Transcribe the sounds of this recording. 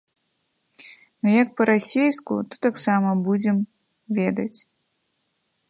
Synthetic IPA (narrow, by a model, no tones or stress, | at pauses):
nɐjɐk̚pɐɾasʲejskṵt̪ɔ̥t̪aksamɐbud͡zʲɛm | vʲɛd̪ɐt͡sʲ